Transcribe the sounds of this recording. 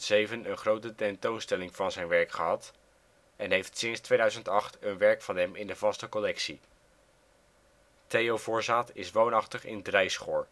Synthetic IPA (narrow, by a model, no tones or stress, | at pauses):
tsejvənənχrowtətɛntownstɛlɪŋvɑnzɛjnʋɛɹkχəɦɑt | ɛnɦejftsɪnstʋejdœɥzəntɑχtənʋɛɹkfɑnɦɛmɪndəvɑstəkɔlɛksi | tejovʊːɹzaːtɪsʋownɑχtəχɪ̰ndrɛjsχʊːɹ